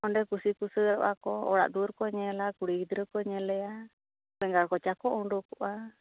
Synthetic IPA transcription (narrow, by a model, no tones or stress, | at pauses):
ɔɳɖɛkusikusəɾɔ̰ʔakɔɔ̰ɽa̰ʔd̪uɾkɔɲɛlakuɽiid̪ɾəkɔɲɛlɛa | pɛŋɡaɽkɔt͡ʃakɔʔɔɳɖukɔʔa